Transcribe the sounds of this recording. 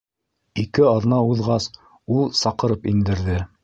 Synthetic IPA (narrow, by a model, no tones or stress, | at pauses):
ikɘɑð̆nɑuðʁɑs | ulˠsɑqɤ̆ɾɤpind̪ɘ̆ɾðɘ